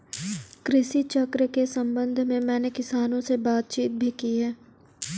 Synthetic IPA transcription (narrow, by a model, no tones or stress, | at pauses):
kɾɪsit͡ʃɐkɾəkesɐ̃mbə̃nd̪ʱmẽmɛ̃ːnekɪsaːnõsebaːt̪̚t͡ʃiːt̪̚bʱikiɦɛː